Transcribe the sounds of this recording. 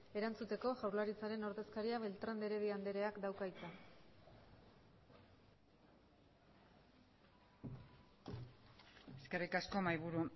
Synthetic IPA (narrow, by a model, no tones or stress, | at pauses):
e̞ɾant͡sut̪e̞ko̞ʝawɾlaɾit͡saɾe̞no̞ɾðe̞skaɾiaβe̞lt̪ɾand̪e̞ɾe̞βiand̪e̞ɾe̞akd̪awkajt̪a | e̞ske̞rikasko̞majβuɾu